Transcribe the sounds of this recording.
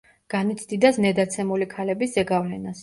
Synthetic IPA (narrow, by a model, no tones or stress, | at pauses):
ɡ̥anit̪sʰd̪id̪asnɛd̪at̪sʰɛmulikʰalɛbiszɛɡavlɛnas